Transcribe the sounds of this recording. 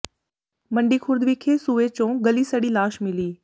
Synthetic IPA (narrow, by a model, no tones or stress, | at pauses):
mɐ̃ɳɖikʰʊɾd̪ʱʋikʰeːsuʋet͡ɕõːɡɐlisɐɽilaːʃmɪliː